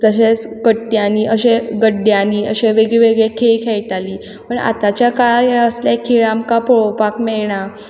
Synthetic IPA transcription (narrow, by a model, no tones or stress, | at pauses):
t̪əɕet͡skəʈːjaniːʔəɕeɡəɖːjaniːəɕeʋeɡɭeʋeɡɭekʰekʰeɭʈaliː | pəɳa̰t̪at͡ɕjakaɭajaəsljakʰːiɭamkapɔɭopakmɛɭɳa